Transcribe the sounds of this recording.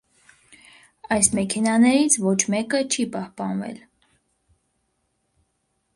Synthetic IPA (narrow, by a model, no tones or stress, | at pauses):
ɑjsmɛkʰɛnɑnɛɾit͡sʰvɔt͡ʃʰmɛkət͡ʃʰipɑhpɑnvɛ̰l